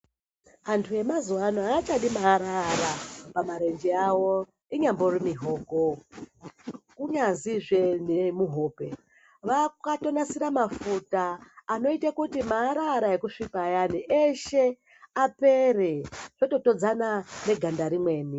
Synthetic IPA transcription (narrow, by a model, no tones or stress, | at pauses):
antʰuje̞mazuwanoaːt͡ʃaɗimaːɾaɾapamaɾe̞nd͡ʒeawo | iɲambo̞rimiɦo̞ːɡʱo | kuɲaziʐenemuɦo̞ːpe̞ | ʋakato̞nasiɾamafutaːno̞itakutimaːɾaɾae̞kuʂipajaniʔeʃe | apereʐ̥oto̞to̞d͡zanane̞ɡʱandaɾimwe̞ːni